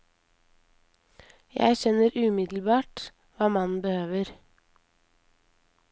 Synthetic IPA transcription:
jæ̰ɪʃɛnəɾʉːmɪd̪l̩bɑːʈ | ʋɑːmɑnn̩bəhøːʋəɾ

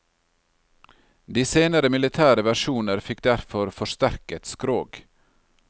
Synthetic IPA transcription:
d̪iːseːnəɾəmɪlɪt̪ʰæːɾəʋæʃuːnəɾfɪkd̪æɾfɔɾfɔʃt̪æɾkɛt̪skɾoːɡ

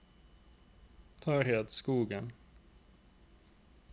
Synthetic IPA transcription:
t̪ʰɑːɾɦeːt̪skuːɡən

